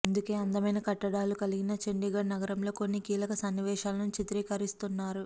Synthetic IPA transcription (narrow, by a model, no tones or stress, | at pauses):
ɐnd̪uke̞ːɐnd̪ɐmɐjnɐkɐʈːɐɽaːlukɐliɡinɐt͡ʃeɳɖiɡɐɽnɐɡɐɾɐmlo̞ko̞nːikiːlɐkɐsɐnːiʋɛːʃaːlɐnut͡ʃit̪ɾiːkɐɾist̪unːaːɾu